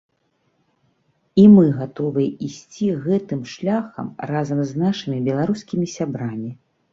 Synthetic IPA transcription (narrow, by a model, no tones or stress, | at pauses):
imɨɣat̪ɔvɨjɛisʲt͡sʲiɣɛt̪ɨmʂlʲaxɐ̰mrazɐmznaʂɨmʲibʲɛlˠaɾuskʲimʲisʲabɾamʲi